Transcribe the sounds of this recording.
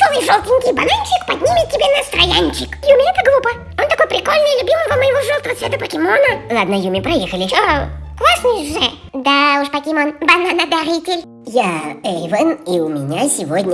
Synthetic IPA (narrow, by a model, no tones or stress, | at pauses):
t̪ovɨjʐolˠt̪ʲɪnʲkʲɪjbɐnanʲt͡ɕɪkpɐdʲnʲimʲɪt̪̚ʲtʲːɪbʲenəst̪ɾɐjanʲt͡ɕɪkjumʲɪɛt̪əɡlˠupə | ont̪ɐko̞jpɾʲɪkolʲnəjɪlʲʊbʲimɨjvəməjɪvoʐolˠt̪əvəsʲɛd̪əpəkʲɪmonəlˠad̪nəjumʲɪpɾɐjexəlʲɪklˠasnʲɪʐɨ | d̪auʂpɐkʲɪmonbɐnanɐd̪ɐɾʲitʲɪlʲ | jaɛjvəniʊmʲɪnʲasʲɪvodʲnʲə